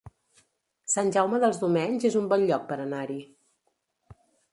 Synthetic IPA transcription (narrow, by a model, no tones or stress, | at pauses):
sanʲʒawməðəlˠzðumɛɲzezumbɔnʎɔk̚pəɾənaɾi